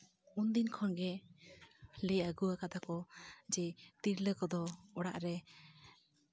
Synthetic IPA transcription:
und̪inkʰɔnɡɛ | lɛaɡuwakat̪akɔd͡ʒɛt̪iɾləkɔd̪ɔɔɽa̰ʔɾɛ

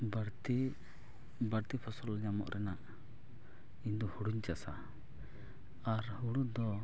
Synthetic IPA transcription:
bɾt̪i | baɾt̪ipʰɔsɔlɲamɔ̰ʔɾʔɛnaʔ | ind̪ɔhuɽuɲt͡ʃasa | aɾhuɽud̪ɔ

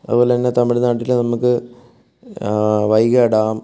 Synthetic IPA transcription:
ɐ̰ðɨpo̞ːlet̪ɐnːet̪ɐmiɽunːaːʈːilnɐmukːɨ | ʋɐjɣɐːɽaːm

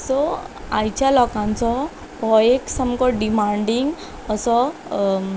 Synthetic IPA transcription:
sɔajt͡ɕalɔkãnt͡sɔ | pɔjekʈsamkɔɖimaɳɖiŋɡ | əsɔ

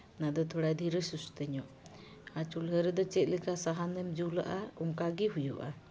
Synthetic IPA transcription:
nad̪ɔt̪ʰɔɽajd̪ʱiɾəsust̪əɲɔʔ | at͡ʃulɦəɾɛd̪ɔt͡ʃɛt̪̚ˀlɛkasaɦanɛmd͡ʒula̰ʔaɔŋkaɡiɦujṵʔa̰

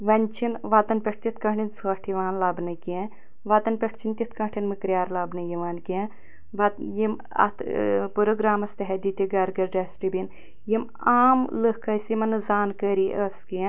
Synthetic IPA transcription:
ʋɐnʲt͡ʃʰinʋaːt̪ɐnpʲeʈ̚ʰt̪it̪kɐɦɳinsaːʈʰiʋaːnlaːbnɐke | ʋaːt̪ɐnpʲeʈʰt͡ʃʰint̪ʲit̪ʰkɐʈʰinmɨkɾjaːɾlaːbnɐjiʋaːnke | ʋajim | ɐ̰t̪ʰpuɾoɡɾaːmɐst̪ɐɦɐd̪it̪iɡɐɾɡɐɾɖɐsʈibin | jim | aːmləhkʰɐsimɐnɨzaːnkɐɾiʔəski

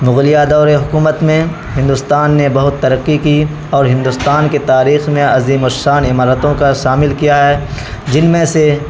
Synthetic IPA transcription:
mʊɣlɪjad̪ɔːɾeɦʊkuːmət̪mẽ | hɪ̃nd̪ʊst̪aːnːebɐɦʊt̪ːɐɾəqːiki | ɔːɾɦɪ̃nd̪ʊst̪aːnket̪aːɾiːxmẽɐziːmoɾʃaːnɪmaːɾət̪õkaʃaːmɪlkijaɦɛː | d͡ʒɪnmẽse

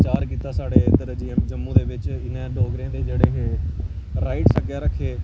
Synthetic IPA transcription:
t͡ʃaːɾkiːt̪aːsaːɽeːt̪əɾd͡ʒiːmd͡ʒəmːũːd̪eːʋɪt͡ʃɪnẽːɖoːɡɾẽːd̪eːd͡ʒeːɽeːɦeː | ɾaːɪʈsəkjaːɾəkʰːeː

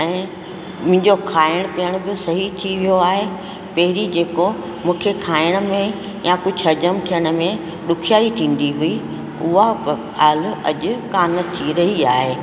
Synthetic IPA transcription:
ɛ̃ː | mʊ̃ɪ̃ɲd͡ʑokʰaːɪɽ̃pijəɽ̃ʊ̆bɪsɐɦit̪ʰiʋijoaːɦe | pɐɦɪɾid͡ʑeːko | mũːkʰekʰaːɪɽ̃̆mẽ | jãkʊd͡ʑʱɐd͡ʑəmt̪ʰijəɽ̃ə̆mẽ | ɗʊkʰijaːit̪ʰĩːn̆d̪iɦʊi | ʊɦap | aːlʊɐʄʊkaːnt̪ʰiɾɐɦiaːɦeː

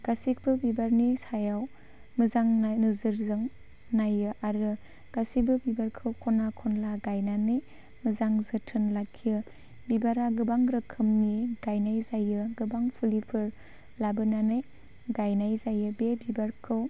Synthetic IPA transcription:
ɡ̥asik̚bɯbibaɾnisajaw | mɯzaŋnanɯzɯɾzɯŋ | najɯʔaɾɯ | ɡ̥asibɯbibaɾkʰɯwkʰɔnakʰɔnlaɡajnanɯj | mɯzaŋzɯtʰɯnlakʰijɯ | bibaɾaɡɯbaŋɾɯkʰɯmniɡ̥ajnajzajɯɡɯbaŋpʰulipʰɯɾ | labɯnanɯj | ɡajnajzajɯbebibaɾkʰɯw

